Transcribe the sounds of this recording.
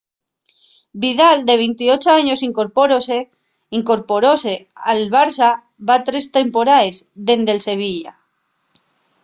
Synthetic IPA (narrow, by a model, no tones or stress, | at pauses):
biðald̪e̞β̞ejnt̪iot͡ʃoaɲo̞siŋkoɾpoɾose | iŋko̞ɾpo̞ɾosealβaɾsa | βat̪ɾe̞st̪e̞mpo̞ɾaezðe̞nd̪else̞β̞iʎa̰